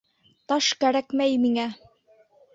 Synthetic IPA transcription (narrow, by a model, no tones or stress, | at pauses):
t̪ɑʃkæɾækmæjmiŋæ